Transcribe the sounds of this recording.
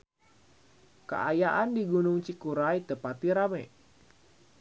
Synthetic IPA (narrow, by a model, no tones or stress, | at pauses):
kə̰ʔajaʔandiɡunʊŋt͡ʃikuɾajt̪əpat̪iɾamɛ